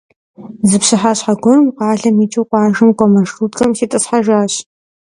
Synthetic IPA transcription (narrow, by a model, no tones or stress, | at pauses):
zɨpɕɨħaːɕħaɡʷɔrɨmqɑːɮɐmiːt͡ʃʼɨwqʷɑːʒɨmkʷʼɔmɐʂʰuːtkʰʼɐmsiːtʼɨsħaʒʷaːɕ